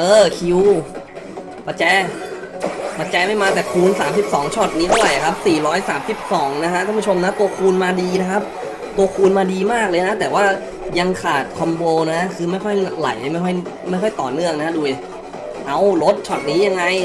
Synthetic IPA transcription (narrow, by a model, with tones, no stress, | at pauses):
ʔɤː˧kʰi˧w | pa˨˧t͡ɕɛː˧˥ | pa˧t͡ɕɛː˧˥ma˥˩jmaː˧t̪ɛː˨˩kʰuː˧nsaː˩˦msi˨˩p̚sɔː˩˦ŋt͡ɕʰɔ˨˩t̪̚niː˦˥t̪ʰlɔ˨˩jʔa˨˩kʰa˦˥p̚siː˨˩ɾɔː˦˥jsaː˩˦msi˨˩p̚sɔː˩˦ŋna˦kʰa˦˥ʔ̪ʰa˥˩pu˥t͡ɕʰo˧mna˦˥t̪u˧ɐkʰuː˧nmaː˧diː˧na˦˥kʰa˦˥p̚ | t̪u˧ɐkʰuː˧nmaː˧diː˧maː˥˩k̚lɤː˧jna˦˥t̪ɛː˨˩waː˥˩ | ja˧ŋkʰaː˨˩t̪̚kʰɔ˧mboː˧na˦˥kʰɯː˧ma˥˩jkʰɔ˥˩ja˧la̰˩˦jma˥˩jkʰɔ˥˩jma˥˩jkʰɔ˥˩jt̪ɔ̰ː˨˩nɯ˥˩əŋna˦˥ka˦˥duː˧ | ʔa˧˩wlo˦˥t̪̚t͡ɕʰɔ˨˩t̪̚niː˦˥ja˧ŋːa˧j